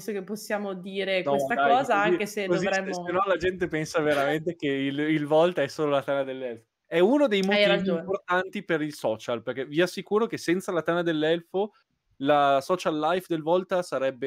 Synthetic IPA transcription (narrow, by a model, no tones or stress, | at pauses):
sokepːosːjaːmod̪iːɾeknɔest̪akaɔːzaaŋkesedkoozivɾɛmːsoenɔlad͡ʒɛnt̪epɛnsaveɾament̪ekeililvɔlt̪aɛsoːlolat̪anad̪elːɛlfo | ɛunod̪ejmoiiad͡ʒomport̪ant̪ipeɾilsɔːt͡ʃalperk̟eviasːikuːɾok̟esɛnt̪salat̪anad̪elːɛlfo | lasɔt͡ʃalːajfd̪elvɔlt̪asaɾɛbːe